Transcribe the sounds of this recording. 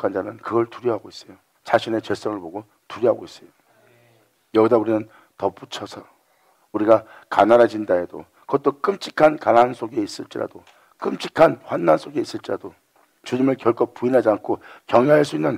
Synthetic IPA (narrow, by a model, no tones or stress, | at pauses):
kʰand͡ʑanɯnkɯɡʌɭtuɾjʌɦaɡois͈ʌjo | t͡ɕaɕʰine̞t͡ɕe̞s͈ʌŋɯɭpoɡo | tuɾjiɦaɡois͈ʌjo | jʌidauɾinɯn | tʌp͈ut͡ɕʰʌsʰʌ | uɾiɡa | kanaɾad͡ʑindaedo̰ | kʌt͈ok͈ɯmt͡ɕ͈ʰi̥kʰankanansʰoɡe̞is͈ɯɭt͡ɕ͈iɾa̰do | k͈ɯmt͡ɕ͈ikʰanɸwanːansʰoɡe̞is͈ɯɭt͡ɕ͈iɾa̰d̥o | t͡ɕuɲimɯɭkjʌɭkʰopuinɦad͡ʑiankʰokjʌŋʌɦaɭs͈uinːɯn